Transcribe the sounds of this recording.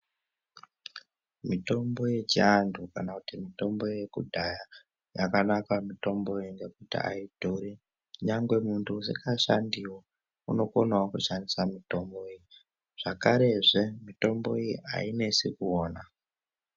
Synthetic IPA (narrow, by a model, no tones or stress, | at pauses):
mito̞mbo̞je̞t͡ʃiandʰukanakutimito̞mbo̞je̞kudʱaja | ja̰kanakamito̞mbo̞jiŋɡe̞kutḭa̰id̥ʱoɾi | uɲaŋɡwe̞muntʰuusikaʃandiwa | uno̞konawakuʃandisamito̞mboiji | ʐ̥akaɾe̞ʐemito̞mbo̞̰ijiʔa̰ine̞sikuoːna